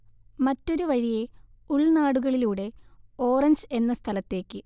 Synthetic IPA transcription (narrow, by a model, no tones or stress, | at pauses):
mɐtːo̞ɾuʋɐɻije | uɭnaːɽuɣɐɭiluːɽe̞o̞ːrɐɲd͡ʑe̞nːɐst̪ʰɐlɐt̪ːe̞ːkːɨ